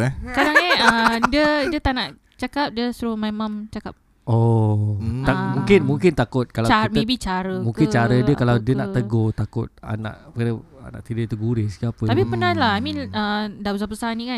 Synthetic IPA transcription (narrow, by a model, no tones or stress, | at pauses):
kadaŋɛədiədət̪anaʔ | t͡ʃakap̚diəsɾumamamt͡ʃakap̚ | ɔ | t̪amũŋkɪnmuŋkɪnt̪akʊt̪̚kalaamebit͡ʃaɾəmũŋkɪnt͡ʃaɾədiəkalawdiənaʔʔt̪əɡot̪akʊt̪̚a̰na̰ʔkanəa̰na̰ʔt̪idət̪uɡuɾɪskapət̪apipənalaamĩədabəsapəsaanĩka